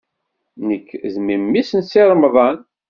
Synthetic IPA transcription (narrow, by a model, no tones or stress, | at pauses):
nəkːzmimːisənsɪɾˤmðˤɑn